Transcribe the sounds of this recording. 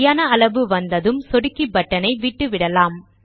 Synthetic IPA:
jaːnɐɐɭɐʋɯʋɐnd̪ɐðɯmsɔɽɯkːibɐʈːɐnɐɪʋiːʈːɯʋɪɽɐlaːm

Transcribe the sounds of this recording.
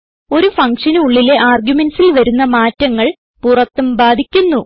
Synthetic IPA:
o̞ɾufɐŋkʂɐnuuɭːile̞ʔaːrɡjume̞nsilʋɐɾunːɐmaːtːɐŋːɐɭ | purɐt̪ːumbaːd̪ʱikʲːunːu

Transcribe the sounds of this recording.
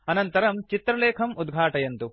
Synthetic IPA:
ɐnɐnt̪ɐɾɐmt͡ʃit̪ɾɐleːkʰɐmud̪ɡʱaːʈɐjɐnt̪u

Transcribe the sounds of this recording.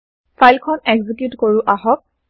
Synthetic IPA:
fʰajlkʰɔnɛɡzikjutkoɹʊʔaɦɔk̚

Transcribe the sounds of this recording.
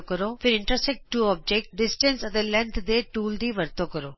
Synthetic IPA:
kəɾofʰɪɾɪ̃ɳʈɾəsɛk̚ʈʈːuːɔːb̚d͡ʒek̚ʈɖɪsʈə̃nsət̪elɛ̃nt̪ʰd̪eʈuːld̪iʋəɾt̪okəɾoː

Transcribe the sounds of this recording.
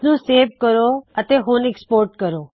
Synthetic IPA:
nũseːʋkəɾoət̪eɦũnɛkspoːɾʈkəɾo

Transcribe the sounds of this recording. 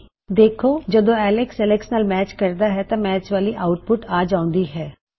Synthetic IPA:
d̪eːkʰoːd͡ʒəd̪õːɛːlɪksɛlɛksnaːlmɛːt͡ʃkəɾd̪aɦɛt̪ãːmɛːt͡ʃʋaːliʔaːʊʈ̚pʊʈaːd͡ʒãːʊ̃nd̪iːɦɛː

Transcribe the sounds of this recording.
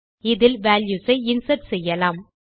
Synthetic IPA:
ɪðɪlʋaːljusɐɪɪnsɐʈsɛjːɐlaːm

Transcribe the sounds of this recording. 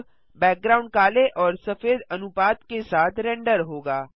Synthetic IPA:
bɛːk̚ɡɾaːʊ̃ɳɖkaːleʔɔːɾsəfʰeːd̪ənupaːt̪kesaːt̪ɾɛ̃ːɳɖəɾɦoːɡaː

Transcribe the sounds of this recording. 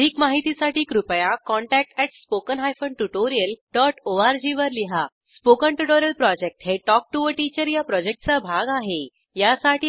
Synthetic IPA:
d̪ʱiːkmaɦit̪isaʈiːkɾupəjakɔɳʈæk̚ʈɛʈspokənɦajfəɳʈuʈoɾijəlɖɔʈoaɾd͡ʑiʋəɾliɦa | spokəɳʈuʈoɾijəlpɾɔd͡ʑek̚ʈɦeʈɔk̚ʈuʋəʈit͡ɕəɾjapɾɔd͡ʑek̚ʈ̚t͡sabʱaɡaɦe | jasaʈʰiː

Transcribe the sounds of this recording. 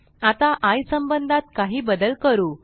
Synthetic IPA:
at̪aʔajsəmbənd̪ʱat̪kaɦiːbəd̪əlkəɾuː

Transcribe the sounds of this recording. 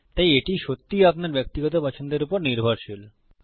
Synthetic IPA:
t̪ajeʈiʃot̪ːiapnaɾbɛk̚t̪iɡɔt̪opɔt͡ɕʰond̪eɾupoɾniɾbʱoɾʃul

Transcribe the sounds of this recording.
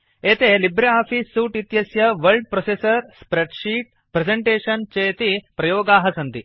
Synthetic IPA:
eːt̪elibɾeaːfiːsːuːʈit̪jɐsjɐʋɐɾlɖ̚pɾosesɐɾspɾeɖʂiːʈ̚ | pɾed͡zeɳʈeːʂɐnt͡ɕeːt̪ipɾɐjoːɡaːɦɐsɐnt̪i

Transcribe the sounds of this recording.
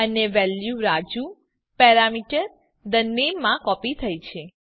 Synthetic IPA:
əneʋɛljuɾad͡ʒu | pɛɾamiʈəɾ | d̪ənːemãkɔpit̪ʰəjt͡ʃʰe

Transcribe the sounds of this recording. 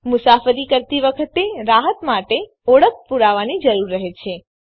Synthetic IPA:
mʊsafəɾikəɾt̪iʋəkʰət̪eɾaɦət̪maʈe | ɔɽək̚puɾaʋanid͡ʒəɾuɾːəɦet͡ʃʰe

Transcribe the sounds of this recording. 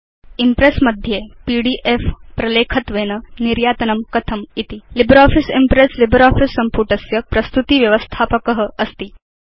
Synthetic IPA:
impɾesmɐd̪ʱjepiːɽiːʔefpɾɐleːkʰɐt̪ʋeːnɐniɾjaːt̪ɐnɐmkɐt̪ʰɐmit̪ilibɾɔːfisimpɾeslibɾɔːfisːɐmpuːʈɐsjɐpɾɐst̪ut̪iːʋjɐʋəst̪ʰaːpəkəɦəɐst̪iː

